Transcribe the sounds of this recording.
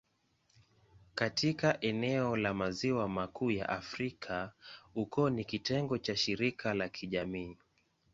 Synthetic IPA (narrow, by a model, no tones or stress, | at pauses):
katʰikaʔɛnɛɔlamaziwamakuːja̰ʔafɾikʰaukɔnikitɛŋɡɔt͡ʃaʃiɾikʰalakʰiʄamiː